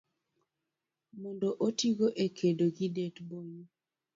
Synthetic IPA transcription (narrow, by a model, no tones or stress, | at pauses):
mɔndoʔotiɡoʔekʰedoɡidetboŋi